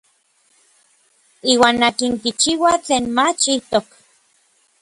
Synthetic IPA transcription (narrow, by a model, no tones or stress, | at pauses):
iːwaːnːakiŋkit͡ʃiwat͡ɬeːnmat͡ʃiht̪ok